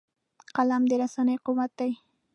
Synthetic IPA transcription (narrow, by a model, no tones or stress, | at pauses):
qɑlamd̪ɪɾasanajqʊwat̪aj